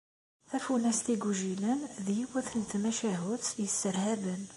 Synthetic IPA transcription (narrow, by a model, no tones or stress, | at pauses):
θæfunæst̪iɡuʒilənðijwæθənt̪mæʃæɦʊt̪jəsːəɾhæbən